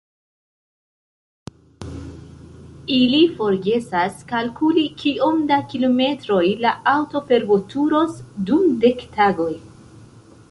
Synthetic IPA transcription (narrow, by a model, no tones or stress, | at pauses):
ilifo̞ɾɡe̞saskalkulikʰio̞mdakilome̞tɾo̞jlaawto̞pe̞ɾbo̞tuɾo̞sdumde̞ktaɡo̞j